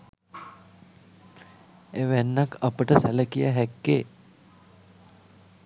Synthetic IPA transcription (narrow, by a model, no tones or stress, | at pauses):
eʋænːakəpəʈəsæləkijəɦɛkːeː